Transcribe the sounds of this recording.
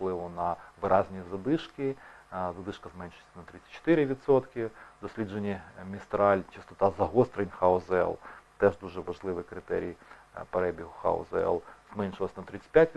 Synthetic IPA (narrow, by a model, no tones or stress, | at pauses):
fplˠɪʋʊnɐʋɪɾʔɑzʲnʲizɐd̪ɪʃkɪzɐd̪ɪʃkɐzmɛnʲʃɪsʲt̪ʲɪnɐt̪ɾɪt͡sʲːɐ̥t͡ʃːɔ̥t̪ɪɾɪʋʲid̪sɔt̪kɪd̪ɔsʲlʲid͡ʒenʲːimʲist̪ɾɑlʲt͡ʃɪst̪ɔt̪ɑzɐɦɔst̪ɾenʲxaɔzɛ̰lˠt̪ɛʒd̪uʒɛʋɐʒlˠɪʋɪkɾɪt̪ɛ̰ɾʲijpeɾɛbʲiɦʊxa̰ɔ̰zɛ̰lˠzmɛnʲʃɪlˠɐsʲɐnɐt̪ɾɪt͡sʲːɪ̥pʲjatʲ